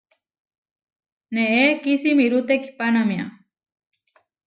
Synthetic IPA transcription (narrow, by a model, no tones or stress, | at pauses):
neekisimiɾut̪eki̥panamja̰